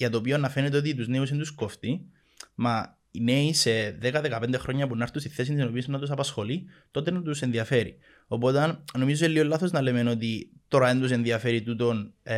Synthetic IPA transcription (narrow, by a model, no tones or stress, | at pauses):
jɐt̪oːpionɐfe̞net̪eot̪it̪̬uzneus̬ent̪uskoft̪i | mɐ | ineiseðekɐðekɐpend̪e̞xɾʔo̞ɲːɐpunɐɾt̪ust̪iθθe̞s̬int̪sino̞pisinɐt̪us̬ɐpɐsxo̞lit̪o̞t̪enɐt̪use̞nðiɐfe̞ɾḭ | o̞po̞t̪ɐnno̞mizoeliɣolːɐθo̞znɐlemeno̞t̪it̪o̞ɾɐend̪us̬e̞nðiɐfe̞ɾit̪ut̪o̞n